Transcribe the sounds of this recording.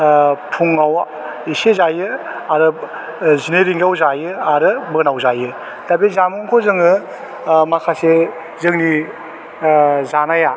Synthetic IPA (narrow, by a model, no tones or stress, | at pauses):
pʰuŋawa̰ | isezajɯaɾɯ | zineɾiŋɡawzajɯaɾɯbɯnawzajɯ | tabezamɯŋkʰozɯŋɯ | makʰase | zɯŋni | zanaja